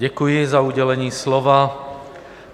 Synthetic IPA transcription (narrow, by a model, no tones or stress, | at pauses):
ɛkujizauːɟɛlɛɲiːslɔʋaː